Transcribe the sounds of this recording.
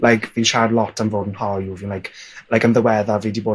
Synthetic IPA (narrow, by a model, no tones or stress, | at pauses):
lʔajkʰviːʃadlɔtʰənvoːdn̩hɔjuvinlajkʰlajkənðəwɛðaviːdiboː